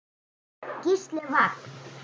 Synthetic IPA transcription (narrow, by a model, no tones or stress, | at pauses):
kiʃlʲĕβɑk